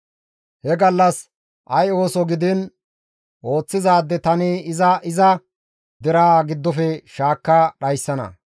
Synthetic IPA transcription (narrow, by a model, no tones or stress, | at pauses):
hɛɡɐlːɐs | ʔɐjo̞ːsɔɡɪd̪ɪn | ʔo̞ːt͡sːɪzaːd̪ːɛt̪ɐnɪɪzɐɪzɐ | d̪ɛɾaːɡɪd̪ːɔfɛʃaːkːɐɗɐjsːɐnɐ̰